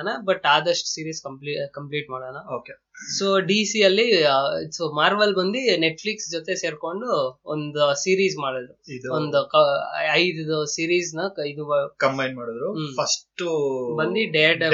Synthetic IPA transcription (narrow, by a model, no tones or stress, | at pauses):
nabɐʈːaːd̪ɐʂʈsiːɾiːskɐmplikɐmpliːʈmaːɽoːnaoːke | soːɖiːsiɐlːisomaːɾʋɐlbɐnd̪ineʈfʰliksd͡ʒot̪e̞se̞ːɾko̞ɳɖuond̪usiːɾiːsmaːɽod̪ɾuid̪ond̪ukɐɐjd̪d̪usiːɾiːsnɐid̪uʋɐkɐmbɐjnmaːɽod̪ɾupʰɐsʈbɐnd̪iɖeɖ